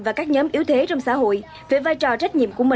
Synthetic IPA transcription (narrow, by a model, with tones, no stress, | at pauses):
vaː˨˩kaː˦˥k̚ɲɔː˨˦mʔi˨˦əwt̪ʰe˨˦t͡ɕɔ˧wŋ͡msa̰ː˧˥ɦo̰˧˨j | ve˨˩vaː˧jt͡ɕɔ˨˩t͡ɕa˦˥k̟̚ɲḭ˧˨əmku˧˩əmi˨